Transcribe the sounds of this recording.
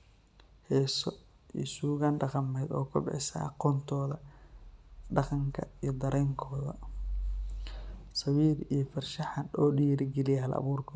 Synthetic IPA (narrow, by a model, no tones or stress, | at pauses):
hɛːsɔ | ḭːsuːɣaːnɖɑqɑmɛːjd̪ɔːkʰɐbɪħɪsɐ̰ʔɑqɔːnt̪ʰɔːðɐ | ɖɑqɑŋkʰɐijɞd̪ɐɾɛːŋkʰɔːðɐ̰ | sɑwiːɾijɞfɐrʃɐħanɔːɖiːɾɪɡɛlɪjɛɦɐlʔɐ̰βuːrkʰɔ